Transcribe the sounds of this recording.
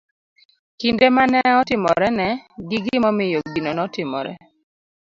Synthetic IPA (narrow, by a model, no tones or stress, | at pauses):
kindemanɛɔtɪmɔɾɛnɛɡiɡɪimɔmɪjoɡinonɔtɪmɔ̰ɾɛ̰